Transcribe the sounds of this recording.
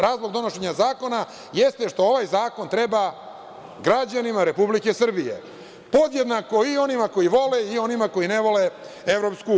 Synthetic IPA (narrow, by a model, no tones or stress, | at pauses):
ɾaːzlˠojd̪o̞no̞ʃeɲazaːko̞na | jest̪e̞ʃt̪o̞o̞ʋajzaːko̞nt̪ɾeba | ɡɾad͡ʑanimaɾe̞publike̞sr̩bijḛ | po̞d̪jed̪nako̞io̞nimako̞jiʋo̞leio̞nimako̞ineʋo̞le | evɾo̞psku